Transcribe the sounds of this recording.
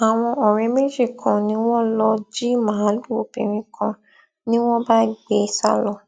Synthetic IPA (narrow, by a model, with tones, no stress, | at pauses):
a˨w̃ɔ̃˧ɔ˨ɾ̃ɛ̃˨˦me˦d͡ʒi˦˨kʰã˨nĩ˨˦w̃ɔ̃˦lɔ˧d͡ʒi˦mãː˨˦lu˦˨o˨pḭ̃˨ɾ̃ĩ˨kʰã˧ | nĩ˦w̃ɔ̃˦ba˦ɡ͡be˨˧˦sa̰˦˨lɔ˧